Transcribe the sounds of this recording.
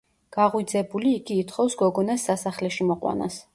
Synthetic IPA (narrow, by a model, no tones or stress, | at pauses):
ɡ̥aʁwid̪zɛbuliːɡiːt̪ʰχɔfsɡɔɡɔnasːasaχlɛʃimɔqʼwa̰na̰s